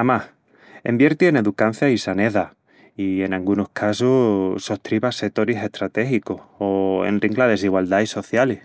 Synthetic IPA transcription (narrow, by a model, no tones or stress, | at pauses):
amah | ḛmbje̞ɾt̪iene̞ðukan̟θjaisane̞ða | ie̞nalɡunohkʰasuso̞ht̪ɾiβaset̪oɾise̞ht̪ɾat̪e̞xikohoḛnriŋɡlaðe̞s̬iɣwald̪aiso̞θjale